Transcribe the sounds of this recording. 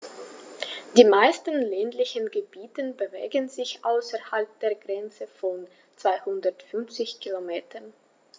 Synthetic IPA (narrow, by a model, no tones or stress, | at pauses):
d̥iːmaɪstən̩lɛːntlɪçənɡəbiːtənbəvḛːɡənzɪçʔaʊsɛɐhalp̚d̥eːɐɡʁɛnt͡səfɔn | t͡sv̥aɪhʊndɐtfʏnft͡sɪçkʰilomeːtʰɐn